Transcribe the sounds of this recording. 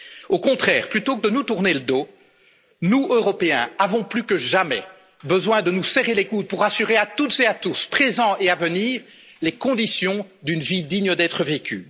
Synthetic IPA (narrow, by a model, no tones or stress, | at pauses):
okɔ̃t̪χɛːʁplyt̪okəd̪ənut̪uʁneləd̪o | nuøʁɔpeɛ̃avɔ̃plykəʒamɛ | bəzwɛ̃d̪ənusɛʁelekut̪̚puʁasyʁeat̪ut̪z̥eat̪uspχezɑ̃eavəniːʁ | lekɔ̃d̪isjɔ̃ | d̪ynvid̪iɲəd̪ɛt̪χəvekʲy̰